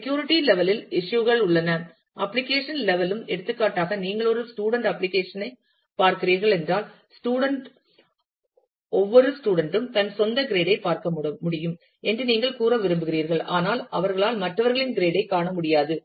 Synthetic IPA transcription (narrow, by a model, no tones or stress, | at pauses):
skjuːɾɪʈːilɛʋɐlɪlɪʂjuɣɐɭʊɭːɐnɐ | ʔɐpːlɪkeːʂɐnlɛʋɐlɯmɛɽɯt̪ːɯkːaːʈːaːɣɐniːŋɡɐɭɔɾɯsʈuːɽɐɳɖɐpːlɪkeːʂɐnɐɪ | paːɾkɪɾiːɾɣɐɭɛndraːl | sʈuːɽɐɳʈ | ɔʋːɔɾɯsʈuːɽɐɳɖɯmt̪ɐnsɔnd̪ɐɡɪɾeːɽɐɪpːaːɾkɐmmʊɽɪjɯm | ɛndrɯniːŋɡɐɭkuːɾɐʋɪɾɯmbɯɣɪriːɾɣɐɭʔaːnaːlɐʋɐɾɣɐɭaːlmɐʈrɐʋɐɾɣɐɭɪnɡɪɾeːɽɐɪkːaːɳɐmʊɽɪjaːðɯ